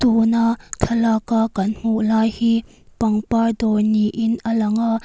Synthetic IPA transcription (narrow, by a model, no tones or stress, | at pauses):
t̪unaʔtʰɐlakakɐnhuʔlaːjhiː | pɐŋpardɔjniʔɪnʔəlɐŋaʔ